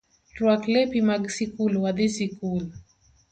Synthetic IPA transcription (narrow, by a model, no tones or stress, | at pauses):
twaklepimaɡsikulwad̪isikul